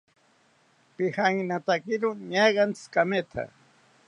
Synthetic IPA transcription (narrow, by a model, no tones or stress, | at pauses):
pɪhaŋnat̪akɪɾʊɲajɢɑnt͡skamet̪ʰa̰